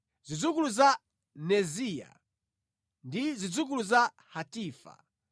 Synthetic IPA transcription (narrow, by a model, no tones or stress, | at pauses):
zid͡zukuluza | nɛzija̰ | ndizid͡zuk̬uluza | hatiːfa̰